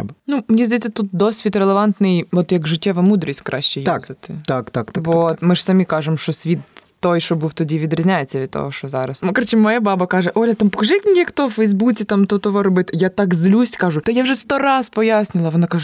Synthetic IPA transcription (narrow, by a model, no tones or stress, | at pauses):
bɐnumnʲɛzd̪ɐjɛtʲt͡sʲːɐt̪ut̪̚d̪osʲʋʲit̪rɛlˠeʋɑnt̪nɪjɔt̪jɐkʐɪtʲːɛʋɐmud̪ɾʲisʲtʲkɾʔa̰ɕt͡ʃɛj̪azɐt̪ɪt̪akt̪akt̪aʋot̪mɪʐsɐmʲikɑʐɨmʃt͡ʃɔsʲʋʲit̪ː | ojʃɔbɨwt̪ɔdʲiʋʲid̪ɾʲɪzʲnʲajet͡sʲːɐʋʲid̪̚t̪o̰ɦɔʃt͡ʃɔzɑɾɐsmkɾt͡ʃɛmɔjabɑbɐkɑʐɛʔolʲɐt̪ampɔkɐʐɪjɐkmnʲɛxt̪ɔfɛjzbut͡sʲɪt̪amt̪ɔt̪ɔʋɔɾɔbɪt̪jat̪akzlʲusʲkɑʐʊt̪ɐjawʐɛst̪oɾɑzpɔjasʲnʲɪlˠɐʋɔnakaʒʊ